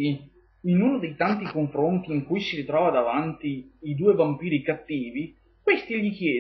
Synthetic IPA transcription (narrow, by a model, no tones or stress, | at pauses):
i | inuːnod̪ejt̪ant̪ikoɱfɾont̪iːŋkujsiɾit̪ɾɔːvad̪avant̪iːd̪uːevampiːɾikat̪ːiːvi | kwest̪iʎik̟jɛː